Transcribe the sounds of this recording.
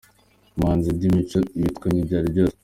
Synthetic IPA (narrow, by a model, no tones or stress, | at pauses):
maːnzidimimitkoɲiɟaɾibɟoː